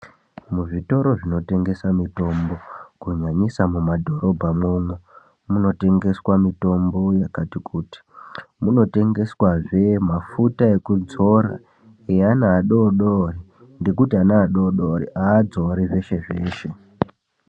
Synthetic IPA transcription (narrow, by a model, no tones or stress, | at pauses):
muʐito̞ɾo̞ʐino̞te̞ŋɡe̞samito̞mbo̞kuɲaɲisamumadʱo̞ɾo̞bʱamumwe | muno̞te̞ŋɡe̞swamito̞mbo̞jakatikʰuːti̥muno̞te̞ŋɡe̞swaʐe̞mafutae̞kud͡zo̞ɾa̰ | eanaːɗoɗoːri | nde̞kutianaːɗo̞ɗoɾḭʔaːd͡zoɾiʐe̞ʃe̞ʐe̞ːʃe̞